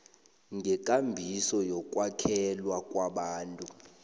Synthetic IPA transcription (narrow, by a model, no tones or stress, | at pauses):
ŋɡʱɛkʼambʱisɔjɔkʼwakʰɛlwakʼwaɓaːntʼu